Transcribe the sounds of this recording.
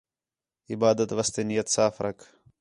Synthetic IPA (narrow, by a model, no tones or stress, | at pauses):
ɪbaːd̪ət̪ʋɐst̪enijɐt̪saːfɾɐkʰ